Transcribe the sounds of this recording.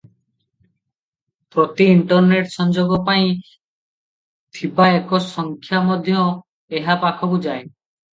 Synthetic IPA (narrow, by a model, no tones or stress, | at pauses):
pɾot̪iːɳʈɔɾneʈsɔnd͡ʒoɡɔpaĩ | t̪ʰipaekɔsɔŋkʰjamɔd̪ʱjɔ | eɦapakʰɔkud͡ʒae